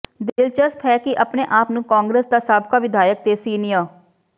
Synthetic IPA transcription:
d̪elt͡ʃəst̪ʰɦɛːkɪʔəpneːʔaːpnũːkaːŋɡɾeːsd̪aːsaːbkaːʋɪd̪ʱaːjək̚t̪eːsiːnɪjaː

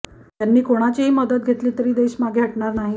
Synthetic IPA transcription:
t̪janːiːkoɽ̃at͡ɕiɦiːməd̪ət̪̚ɡʱet̪liːt̪əɾiːd̪eɕmaɡeɦəʈɳaɾnaɦi

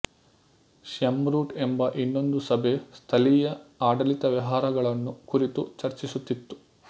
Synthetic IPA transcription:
ʃɐmɾuːʈembɐʔinːo̞nd̪usɐbʱe̞st̪ʰɐlijɐaːɖɐlit̪ɐʋɐɦaːɾɐɡɐɭɐnːukuɾit̪ut͡ʃɐɾt͡ʃisut̪ːit̪ːu̥

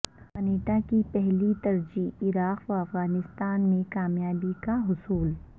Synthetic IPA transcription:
kɐneːʈakipɛɦlit̪ɐɾd͡ʒiɪɾaːqʋaɐfɣaːnɪst̪aːnmẽkaːmjaːbikaɦʊsuːl

